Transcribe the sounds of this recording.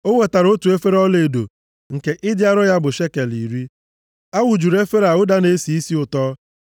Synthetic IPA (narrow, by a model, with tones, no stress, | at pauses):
o˦wʷe˨ta˨ɾo˦tu˨e˦fe˦ɾɔ˦le˨do̰˨ | ŋ̩˨ke˨ʔɪ˦dja˦ɾʊ˦ja˦bʊ˨ʃe˦ke˨li˨ɾi˦ | a˦wʊ˨d͡ʒu˨ɾe˦fe˦ɾa˨ʊ˦da˦ne˦si˨i˦si˦ʊ˨tɔː˦